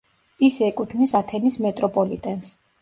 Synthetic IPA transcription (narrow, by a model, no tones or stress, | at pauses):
isɛɛkʼut̪ʰnisat̪ʰɛnismɛt̪ʼɾɔpʼɔlit̪ʼɛns